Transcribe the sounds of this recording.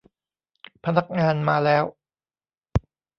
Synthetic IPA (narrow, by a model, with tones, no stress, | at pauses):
pʰa˧na˦˥k̚ŋaː˧nmaː˧lɛː˦˥w